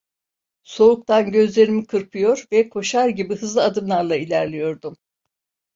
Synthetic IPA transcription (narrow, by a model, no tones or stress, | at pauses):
so̞uk̚t̪ʰanɟø̞zlʲe̞ɾimikʰɯɾpʰɯjo̞ɾvɛkʰo̞ʃaɾɟibiɦɯzlˠɯad̪ɯmlˠaɾlˠailʲæɾlʲijo̞ɾd̪um